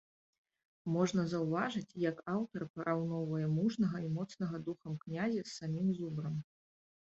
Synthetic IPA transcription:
mɔʐnɐzɐwvaʐɨt͡sʲjɐkawt̪ɐrpɐɾʔawnɔwvɐjɛmuʐnɐɣɐimɔt̪snɐɣɐd̪uxɐmknʲazʲɛsːamʲimzubɾɐm

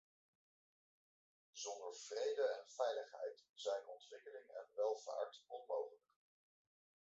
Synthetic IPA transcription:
zɔndəɹv̥rejdəɛnv̥ɛjləχɦɛ̰jtz̥ɛjnɔntʋɪkəlɪŋɛ̰nʋɛlˠv̥a̰ːɹtɔnmowχələk̚

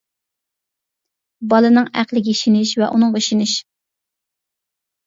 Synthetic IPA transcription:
bɑlˠɨnɨŋæ̰qlˠɪɡʲiʃinɪʃvɛʔunɨŋʁeʃinɪʃ

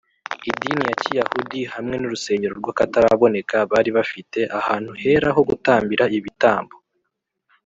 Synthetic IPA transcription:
idinijacijahudihamŋe̞nuɾuse̞ːɲɟe̞ɾoɾɡwaːkataɾaβo̞ne̞kaβaːɾiβafite̞ʔahaːn̥huhe̞ɾaɦo̞ɡutaːmbiɾaiβitaːmbo

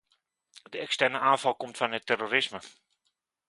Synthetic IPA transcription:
dəɛkstɛrnəaːnfɑlˠkomtfɔnətɛrorɪsmə

